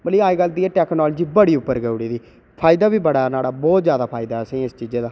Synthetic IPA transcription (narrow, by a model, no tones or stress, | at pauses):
məliːaːiːɡəld̪iːɛːʈɛːknɔːld͡ʒiːbəɽiːʊpːəɾɡəuɽiːd̪iː | pʰaːɪd̪aːbiːbəɽaːɛːnaːɽaːbɔːt̪zjaːd̪aːpʰaːɪd̪aːɛəsĩːɪst͡ʃiːd͡ʒeːd̪ãː